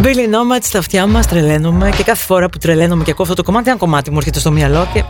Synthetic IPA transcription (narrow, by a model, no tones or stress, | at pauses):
belino̞mɐt̪i̥st̪ɐft̪çɐmɐst̪ɾele̞nume̞ce̞kɐθefo̞ɾɐput̪ɾelenume̞ceɐkoɐft̪ot̪oko̞mɐt̪iɐŋko̞mɐt̪imueɾçet̪e̞st̪omjɐlo̞ce